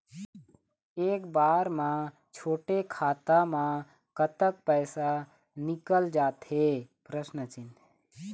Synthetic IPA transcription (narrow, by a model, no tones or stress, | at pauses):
eːkbaːɾmã | t͡ʃʰoːʈekʰaːt̪amã | kət̪ək̚pəːsa | nɪkəld͡ʒaːt̪ɦepɾəsnət͡ʃɪn